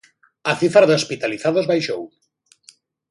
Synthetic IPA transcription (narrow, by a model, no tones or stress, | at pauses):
ɐθifaɾðospit̪aliθaðozβajʃow